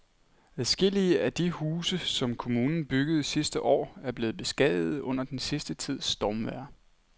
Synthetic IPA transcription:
æðˠsɡ̥e̝l̰iəæd̥ihuːsəsɒ̽mkʰo̝muːnn̩b̥yɡ̥əð̞̩ˠisisd̥əʔɒ̰ːæɐb̥le̝ːð̩ˠb̥e̝sɡ̥ɛð̰ˠð̩ˠɔ̽n̰ɐd̥ensisd̥ət͡sʰið̞̰ˠsd̥ɒːmʋæɐ̰

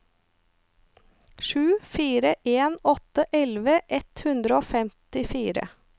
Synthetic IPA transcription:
ʃʉːfiːɾəʔeːnɔt̪əʔɛlʋəʔɛt̪hʉnd̪ɾəoːfɛmt̪ɪfiːɾə̰

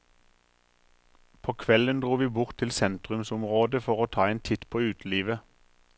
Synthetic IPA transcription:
pʰoːkʰʋɛlənd̪ʁuːʋiːbʊʁt̪ʰɪlsɛnt̪ʁʉmsʊmʁoːd̪əfɔʁoːt̪ʰɑːeːnt̪ʰɪt̪pʰoːʉːt̪liːʋə

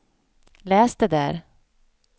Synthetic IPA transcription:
lɛːsd̪ɛd̪æːɾ

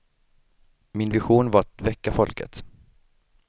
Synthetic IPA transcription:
mɪnvɪɧuːnvaɾat̪vɛkːafɔlkə̰t̪

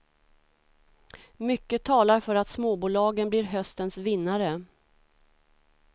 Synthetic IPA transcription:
mʏkːət̪ʰɑːlaɾfœɾat̪smoːbuːlɑːɡənblɪɾɦœst̪ənsvɪnːaɾə

